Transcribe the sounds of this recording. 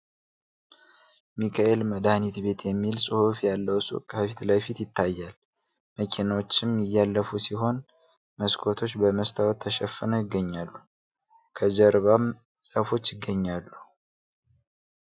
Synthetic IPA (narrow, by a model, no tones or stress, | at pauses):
mikʰaʔe̞lməd̪ahnit̪be̞t̪ʰjɛmːilsʼɨhufjalːəwsʼṵkʼhəfit̪ləfit̪jɪt̪ʰːajːal | məkʰinawot͡ʃːɪmjɪjːalːəfusiɦo̞n | məskʰot̪ʰo̞t͡ʃːbəməst̪ʰawt̪ʰːəʃɛfɨnəjɪɡːəɲːalːu | kʰəzəɾβam | sʼəfo̞t͡ʃːjɪɡːəɲːalːu